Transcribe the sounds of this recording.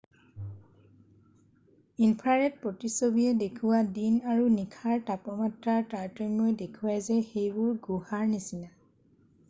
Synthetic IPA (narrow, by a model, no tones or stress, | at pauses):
inpʰaɹɛt̚pɹotisobiɛdekʰuwadinaɹunikʰaɹtapɔmatɹaɹtaɹtɔmojdekʰuwajzɛxejbʊɹɡuhaɹnisina